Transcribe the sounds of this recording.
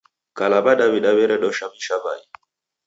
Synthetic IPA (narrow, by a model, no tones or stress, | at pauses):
kalaɓaɗawiɗawɛɾɛɗɔʃamiʃaba̰i